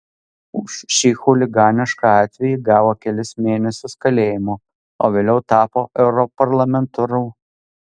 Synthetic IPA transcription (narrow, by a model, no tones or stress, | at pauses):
ʊʃʃʲiːxuːlʲɪɡɑːnʲɪʃkɑɑːt̪ʲʋʲɛjiɡɑːʋoːkʲɛlʲɪsmʲeːnʲɛsʲʊskɐlʲeːjɪmoː | oːʋʲeːlʲɛʊt̪ɑːpoːʔɛʊɾɔpɐɾlˠɐmʲɛnt̪ʊɾʊː